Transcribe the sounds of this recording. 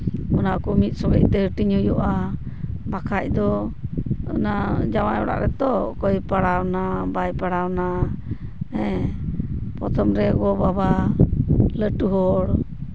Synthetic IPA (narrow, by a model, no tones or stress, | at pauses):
ɔnaʔkɔmit̪̚sɔɡɛc̚t̪ɛɦəʈiɲujɔʔa | bakʰac̚d̪ɔ | ɔ̰nad͡ʒamajɔ̰ɽa̰ʔɾɛt̪ɔkɔjpaɽawnabajpaɽawna | ɛ | pɔt̪ʰɔmɾɛɡɔbaba | ləʈuɦɔɽ